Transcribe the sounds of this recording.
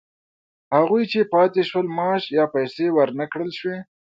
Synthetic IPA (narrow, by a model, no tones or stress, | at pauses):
haɣujt͡ʃepɑt̪eʃwəlmɑʃjɑpajsewəɾnəkɽəlʃwe